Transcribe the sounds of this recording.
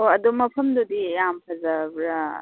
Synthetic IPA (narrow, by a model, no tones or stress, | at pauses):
oɐd̪umɐpʰɐmd̪ud̪ijampʰɐzabɾa